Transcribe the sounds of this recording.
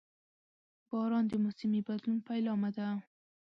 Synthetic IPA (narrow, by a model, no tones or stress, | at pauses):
b̥ɑɾɑnd̪əmʊsɪmibad̪lunpajlɑmad̪a